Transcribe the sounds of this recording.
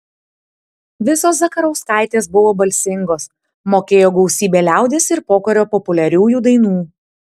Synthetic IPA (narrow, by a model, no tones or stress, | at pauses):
ʋʲɪsoːsʋɐkɐɾɐʊskɑˑɪt̪ʲeːsbʊʋoːbɐlʲsʲɪŋɡoːs | moːkʲeːjoːɡɐʊsʲiːbʲeːlʲæˑʊd̪ʲeːsɪɾpoːkɐɾʲoːpɔpʊlʲɛɾʲuːjuːd̪ɐɪnuː